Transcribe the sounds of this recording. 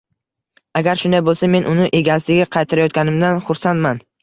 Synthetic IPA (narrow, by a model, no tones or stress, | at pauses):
aɡʲaɾʃʊnd̪ajbolˠsame̞nʔʊnɪʔe̞ɡʲaslɪɡʲaqʰɑjt̪ʰaɾajɒt̪̚ɡʲanɪmd̪anχʊɾsant̪man